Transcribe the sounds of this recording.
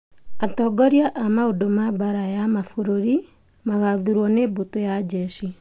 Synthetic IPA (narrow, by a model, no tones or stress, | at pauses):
atɔːɡɔɾjaʔamaodomabaɾajamafoɾoɾi | maɣaðuɾwɔneːbotojad͡ʒɛʃi